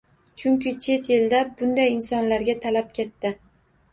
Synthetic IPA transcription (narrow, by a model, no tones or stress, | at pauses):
t͡ʃʰʊŋkʲɪt͡ʃʰe̞t̪jeld̪abʊnd̪ajɪnsɒnlaɾɡʲat̪ʰalap̚kʲʰe̞t̪ːɪ